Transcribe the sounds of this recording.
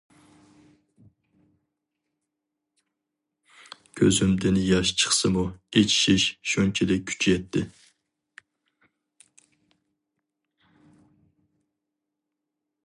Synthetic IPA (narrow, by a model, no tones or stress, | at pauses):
kʲʰøzymd̪ɪnjɑʃt͡ʃʰə̥χsɨmuet͡ʃʰi̥ʃiʃʃunt͡ʃʰɛd̪ɛk̚ʲʰːy̥t͡ʃʰijɛt̪ʰːɪ